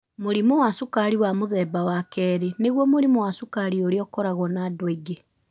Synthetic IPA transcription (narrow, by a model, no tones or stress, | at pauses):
moɾimowasukaɾiwamoðɛbawakɛːɾeneɣwɔmoɾimowasukaɾioɾeɔkɔɾaɣwɔnadweɡe